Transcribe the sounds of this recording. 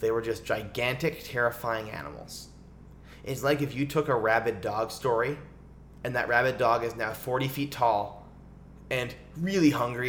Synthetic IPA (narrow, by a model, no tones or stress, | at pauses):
ðeɪwə˞d͡ʒʌsd̥ʒ̥aɪɡæ̃ntɨk̚tʰɛɹɨfaɪɪ̃ŋæ̰nə̰m̩l̩ˠz̥ | ʔɨtslaɪkɨfjɨtʰʊkəɹæbɨdɔɡ̥stɔɹi | ɨ̃nðɨ̰ʔɹæbɨdɔɡɨznaʊfɔɹɾifitʰɔlˠ | ɨ̃n | ɹɪlˠihʌ̃ŋɡɹi